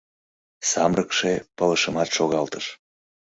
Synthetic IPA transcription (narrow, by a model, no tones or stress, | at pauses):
sɑmrəkʃepələʃəmɑt̪ʃoɣɑlt̪əʃ